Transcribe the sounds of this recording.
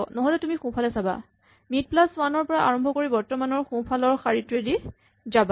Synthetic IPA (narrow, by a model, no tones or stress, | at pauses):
nɔɦɔlɛtumixũpʰalɛsaba̰ | mit̚plaswanɔɹpɔɹaʔa̰ɹɔmbʱɔkoɹibɔɹtɔmanɔɹxũpʰalɔɹxaɹitɹedi | zaba